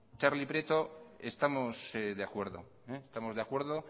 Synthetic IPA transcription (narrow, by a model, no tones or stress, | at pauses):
t͡ʃaɾlipɾet̪oest̪amoseðeakwe̞ɾðo̞̰ | eːst̪amo̞zðeakwe̞ɾðo